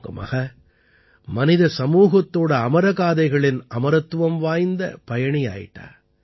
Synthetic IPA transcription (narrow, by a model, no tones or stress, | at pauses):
ɡɐ̰ma̰ːɣɐ | mɐnɪðɐsɐmuːɣɐt̪ːoːɽɐɐmɐɾɐɣaːðɐɪɣɐɭɪnɐmɐɾɐt̪ːʊʋɐmʋaːjnd̪ɐpɐjɐɳija̰ːjɪ̰ʈːa̰ːɾ